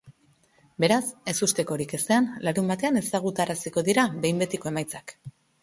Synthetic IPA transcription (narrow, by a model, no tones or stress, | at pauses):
be̞ɾase̞sust̪e̞ko̞ɾike̞se̞anlaɾumbat̪e̞ane̞saɣ̞ut̪aɾasiko̞ðiɾaβe̞jmbe̞t̪iko̞e̞majt͡sak